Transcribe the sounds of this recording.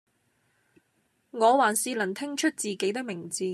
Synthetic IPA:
ŋɔː˨˧waː˨˩nsiː˧lɐ˨˩nt̪ʰɪ˥ŋt͡ʃʰɵ˥t̚t͡siː˨ke˨˥jt̪ɪ˥k̚mɪ˨˩ŋt͡siː˨˧

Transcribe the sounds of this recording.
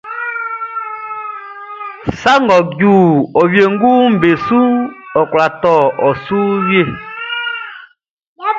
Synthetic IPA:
sa˦ŋɡɔ˨ɟuː˨ɔ˨wje˨ŋ˦ɡu˦m̩˨be˨su˦ɔ˨kwla˨tɔ˦˨ʔɔ˨suː˦wje˦˨

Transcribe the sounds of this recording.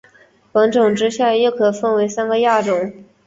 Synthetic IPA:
pɤ˧˥ŋʈ͡ʂʊ˨˩ŋʈ͡ʂɻ̩˥ɕja˥˧jo˥˩ʊkʰɤ˨˩fə˥˩nwe˧˥ɪsa˥nɡə˨ja˥˩ʈ͡ʂʊ˨˩˦ŋ

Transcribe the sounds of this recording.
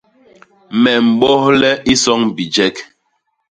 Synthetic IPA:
mɛ˨m̩˨ɓɔ˦hlɛ˦i˦sɔ˦ŋbi˨d͡ʒɛ˦k

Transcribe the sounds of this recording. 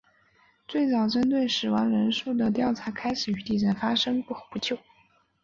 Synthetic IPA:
t͡swe˥˩ɪt͡sɑ˨˩ʊʈ͡ʂə˥nt̪̬we˥˩ɪʂɻ̩˨˩wɑ˧˥ŋɻə˧˥nʂu˥˩d̪ə˩t̪jɑ˥˩ʊʈ͡ʂʰa˧˥kʰa˥ɪʂɻ̩˨˩y˧˥t̪i˥˩ʈ͡ʂə˨˩nfa˥ʂɤ˥ŋpu˥˩xpu˧˥t͡ɕʰjo˥˩ʊ

